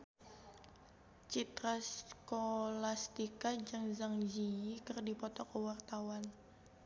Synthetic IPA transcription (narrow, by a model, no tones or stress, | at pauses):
t͡ʃit̪ɾaskolast̪ikad͡ʒɨŋzaŋd͡ʒiikɨrdipɔt̪ɔkəwart̪awan